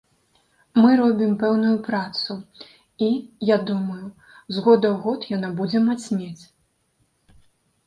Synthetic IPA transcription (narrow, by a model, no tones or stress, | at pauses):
mɨɾɔbʲimpɛwnujupɾat̪su | ijad̪umɐju | zɣɔd̪ɐwɣɔt̪janabud͡zʲɛmat͡sʲnʲet͡sʲ